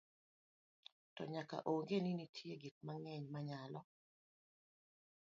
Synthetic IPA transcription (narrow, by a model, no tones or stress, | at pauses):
tɔɲaka̰ʔoŋɡeninitʰjeɡit̚maŋɛɲmaɲalɔ